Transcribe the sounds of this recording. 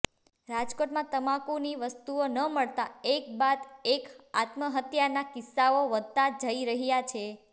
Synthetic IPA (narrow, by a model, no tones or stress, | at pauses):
ɾad͡ʒkoʈmãt̪əmãkuniʋəst̪uonəməɭt̪aek̚bad̪eka̰t̪məɦət̪janakɪsːaoʋəd̪̚ʱt̪ad͡ʒəiɾəɦjat͡ʃʰe